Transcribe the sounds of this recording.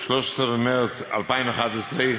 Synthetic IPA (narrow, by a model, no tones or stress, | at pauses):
ʃlʊʃsəəmɛʁt͡sa̰lˠpaɪnəχadəseɪ